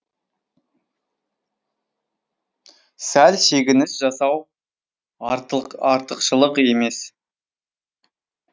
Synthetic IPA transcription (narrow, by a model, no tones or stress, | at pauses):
sælʃe̞ɡʲɪnɪsʒɑsɑw | ɑɾt̪əqʃəlˠəqe̞me̞s